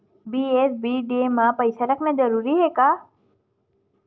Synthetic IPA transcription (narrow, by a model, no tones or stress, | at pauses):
biːesbiːɖeːmãpəjsaɾɐknɐd͡ʒɐɾuːɾiɦekaː